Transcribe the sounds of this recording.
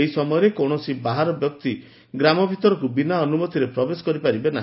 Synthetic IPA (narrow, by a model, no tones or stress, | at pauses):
ɦisɔmɔjɔɾekɔɽ̃ɔsibaɦaɾɔbjɔk̚t̪i | ɡɾamɔbʱit̪ɔɾɔkubinaɔnumɔt̪ʰiɾepɾɔbesɔ̥kɔɾipaɾibena̰ɦ